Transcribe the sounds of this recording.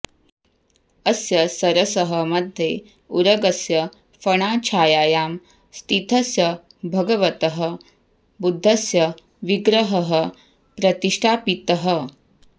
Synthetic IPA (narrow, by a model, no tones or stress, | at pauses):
ɐsjɐsɐɾɐsɐɦɐmɐd̪ʱje | uɾɐɡɐsjɐ | fɐɳ̃aːt͡ʃʰaːjaːjaːm | st̪ʰit̪ʰɐsjɐ | bʱɐɡɐʋɐt̪ɐɦɐ | bud̪ʱːɐsjɐ | ʋiɡɾɐɦɐɦɐ | pɾɐt̪iʂʈʰaːpit̪ɐɦɐ